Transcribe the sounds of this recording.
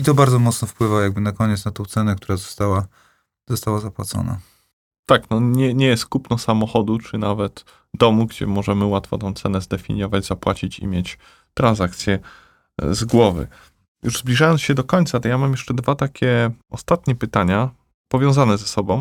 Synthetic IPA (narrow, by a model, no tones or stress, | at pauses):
it̪ɔbaɾd̪zɔmɔt̪snɔfpwɘvajaɡ̚bɘnakɔɲɛt̪snat̪ɔ̃w̃t̪sɛnɛkt̪uɾazɔst̪awa | z̥ɔst̪awazapwa̰t̪sɔ̰na̰ | t̪aknɔɲɛɲɛjɛst̪kupnɔsamɔxɔd̪ut͡ʂɘnavɛt̪ | d̪ɔmuɡd͡ʑɛ̰mɔʐɛmɘwat̪fɔ̰t̪ɔ̃w̃t̪sɛnɛzd̪ɛfʲḭɲjɔvad͡ʑzapwat͡ɕit͡ɕḭmʲjet͡ɕ | t̪ɾanzak̚t̪sʲjɛ | zɡwɔvɘ̰ | juʐzblʲiʐajɔnsɕɛd̪ɔkɔɲt̪sat̪ɔjamamjɛʂt͡ʂɛd̪vat̪akʲɛɔst̪at̪ɲɛpɘt̪aɲa | pɔvʲjɔ̃w̃zanɛzɛsɔbɔ̃w̃